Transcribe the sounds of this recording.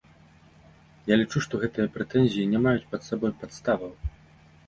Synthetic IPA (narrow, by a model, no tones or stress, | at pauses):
jalʲit͡ʂuʂt̪ɔɣɛt̪ɨjɐpɾɛt̪ɛnʲzʲijinʲɛmajut͡sʲpɐt̪sabɔjpat̪st̪avɐw